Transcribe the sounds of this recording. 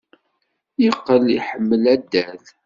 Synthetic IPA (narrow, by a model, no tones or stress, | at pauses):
jiqːəliħəmːəlæd̪ːæθ